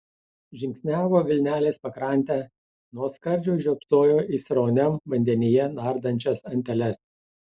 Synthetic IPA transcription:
ʒʲɪŋʲksʲnʲæːʋoːʋʲɪlʲnʲæːlʲeːspɐkɾɑˑnʲt̪ʲæː | nuɔskɐɾʲˑd͡ʒʲoʊʒʲɔpst̪oːjoːʔɪsʲɾoːnʲɛmʋɐnʲd̪ʲɛnʲɪjɛnɑˑɾd̪ɐnʲt͡ʃʲɛsɐnʲt̪ʲɛlʲɛs

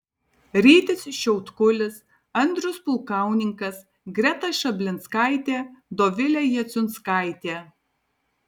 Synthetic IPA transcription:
ɾʲiːt̪ʲɪsʲʃʲɛʊt̪kʊlʲɪs | ɐnʲd̪ʲɾʲʊspʊlˠkɑˑʊnʲɪŋkɐs | ɡɾʲɛt̪ɐʃɐbʲlʲɪnt̪skɑˑɪt̪ʲeːd̪oːʋʲɪlʲɛjɛt̪sʲʊnskɑˑɪt̪ʲeː

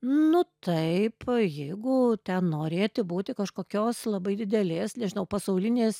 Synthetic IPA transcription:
nʊt̪ɐɪpjɛɪɡʊt̪ʲɛnnoːɾʲeːt̪ʲɪbuːt̪ʲɪkɐʃkoːkʲoːslˠɐbɐɪd̪ʲɪd̪ʲɛlʲeːsnʲɛʒʲɪnɐʊpɐsɐʊlʲɪnʲeːs

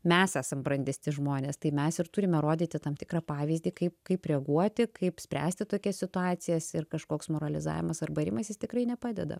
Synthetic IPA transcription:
mʲɛsæːsɐmbɾɐnʲd̪ʲesʲt̪ʲɪʒmoːnʲeːst̪ɐɪmʲɛsɪrt̪ʊɾʲɪmʲɛɾoːd̪ʲiːt̪ʲɪt̪ɐmt̪ʲɪkɾɑːpɑːʋʲiːzʲd̪ʲiːkɐɪp̚kɐɪpɾʲɛɐɡuɔtt̪ʲɪkɐɪpsʲpʲɾʲæ̰ːsʲt̪ʲɪt̪oːkʲɛsʲsʲɪt̪ʊɑːtt͡ssʲɪjɛsɪrkɐʃkoːksmoːɾɐlʲɪzɑ̰ːʋʲɪmɐsɐrbɐɾʲɪmɐsjɪst̪ʲɪkɾɐɪnʲɛpɑːdʲɛ̰d̪ɐ̰

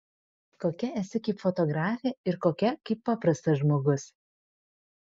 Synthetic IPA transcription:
koːkʲɛɛsʲɪkɐɪpfɔt̪ɔɡɾɑːfʲeːɪɾkoːkʲɛkɐɪpːɑːpɾɐst̪ɐʒmoːɡʊs

